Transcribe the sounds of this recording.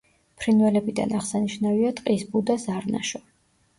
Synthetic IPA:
pʰɾinvɛlɛbid̪a̰naʁsaniʃnaviat̪ʼqʼisbud̪azaɾna̰ʃɔ

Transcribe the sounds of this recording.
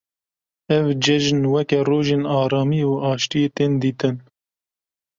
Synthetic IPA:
ɛvd͡ʒɛʒnwɛkɛroːʒeːnɑːɾɑːmiuʔɑːʃt̪ijeːt̪eːnd̪iːt̪ɨn

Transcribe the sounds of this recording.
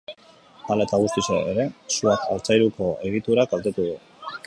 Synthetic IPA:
alaet̪aɣ̞ust̪iseeɾe̞suaka̰lt͡sajɾuko̞e̞ɣ̞it̪uɾaɡalt̪e̞t̪uðu

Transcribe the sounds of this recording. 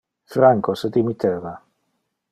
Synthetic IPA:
fɾaŋkosəd̪imit̪ʰɛːva

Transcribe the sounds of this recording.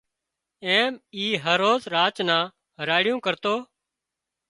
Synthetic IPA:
eːmiːɦəɾoːzɾaːt͡ʃnãː | ɾaːɽɪjõːkəɾt̪oː

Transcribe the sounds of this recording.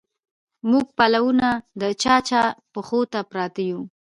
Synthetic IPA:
muɡ̚palawunad̪ət͡ʃɑt͡ʃɑpəxot̪apɾɑt̪aju

